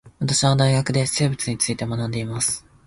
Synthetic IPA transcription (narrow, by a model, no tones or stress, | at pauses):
βat̪aɕiβad̪aiɡakɯ̟d̪e̞se̞ːbɯt͡sɨɲ̟it͡sɨit̪e̞manãnd̪e̞imasɨ̥